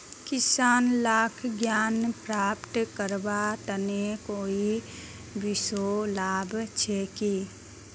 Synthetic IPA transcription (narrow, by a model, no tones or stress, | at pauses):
kɪsaːnlaːkʰɡjaːnpɾaːpt̪kəɾbat̪ənekoːi | bɪsolaːbt͡ʃʰɛki